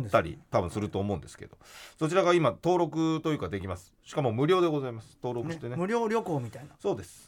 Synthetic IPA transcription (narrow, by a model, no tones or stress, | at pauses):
t̪aɾʲḭt̪abɯ̟̃sɨɾɯ̟t̪o̞ːmo̞ɯ̃nd̪esɨ̥ke̞̰d̪o̞so̞t͡ɕiɾaɡaimat̪o̞ːɾo̞kɯ̟t̪o̞jɯ̟ːkad̪e̞kʲimasɨ̥ɕi̥kamo̞mɯ̟ɾʲo̞ːd̪e̞ɡo̞zaimasɨ̥t̪o̞ːɾo̞kɯt̪enemɯ̟ɾʲo̞ːɾʲjo̞ko̞ːmʲit̪ainaso̞ːd̪e̞sɨ̥